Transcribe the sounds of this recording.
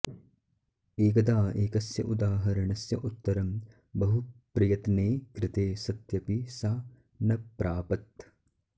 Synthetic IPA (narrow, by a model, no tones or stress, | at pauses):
eːkɐd̪aːeːkɐsjɐ̰ʔud̪aːɦɐɾɐɳɐsjɐʔut̪ːɐɾɐm | bɐɦupɾɐjɐt̪neːkɾɪt̪eːsɐt̪jɐpisaː | nɐpɾʔaːpɐt̪